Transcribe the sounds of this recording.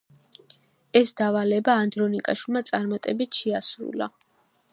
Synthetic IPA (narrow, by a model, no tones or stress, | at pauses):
ɛsd̪avalɛbaːnd̪ɾɔnikʼaʃwilˠmat̪sʼaɾmat̪ʼɛbit̪ʰʃɛasɾṵla̰